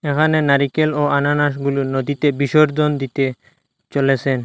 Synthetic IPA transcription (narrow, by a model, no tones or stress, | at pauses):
ekʰanenaɾikeloananaʃ̬ɡuluɾnod̪it̪ebiʃoɾd͡ʑond̪it̪e | t͡ɕolet͡ɕʰen